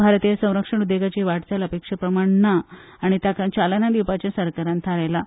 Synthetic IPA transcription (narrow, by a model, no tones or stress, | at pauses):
bʱaɾt̪ijasə̃w̃ɾəkʂəɳ̃ud̪jeɡat͡ɕeʋaʈd͡zaləpekʂəpɾəmaɳnaː | ɽ̃it̪akat͡ɕalanad̪iwpat͡ɕjasəɾkaɾãnt̪ʰaɾajla